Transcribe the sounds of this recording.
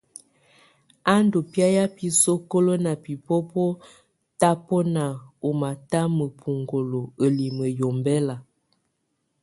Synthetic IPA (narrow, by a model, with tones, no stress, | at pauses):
a˦ndo˨pja˦ja˦pi˦so˦ko˦lo˦na˨pi˨po˦pɔ˦ | ta˦pɔ˦na˨o˨ma˨ta˦mə˨pʰu˨ŋɡo˨lo˨ə˨li˨mə˨jo˨mbɛ˦la˨